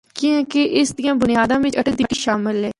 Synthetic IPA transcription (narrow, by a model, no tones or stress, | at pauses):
kiɛ̃keʔɪsd̪ɪjãːbʊnɪjaːd̪ãːʋɪ̃ɐʈəd̪ɪʈiʃaːmɪlɦɛː